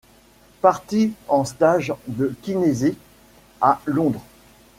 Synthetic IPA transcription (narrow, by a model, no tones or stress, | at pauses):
paʁt̪iɑ̃st̪aʒd̪əkʲinezi | alɔ̃d̪ʁ